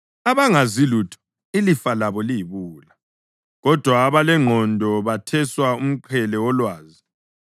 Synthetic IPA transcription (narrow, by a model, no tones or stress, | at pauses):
aβaŋazilutʰɔ̥ | ilifalaβɔliiβuːla | ɣɔd̥ʱwaːβalɛŋ͡ǃʱɔndʱɔβatʰɛswaum̩ǃʰɛlɛwɔlwaːzi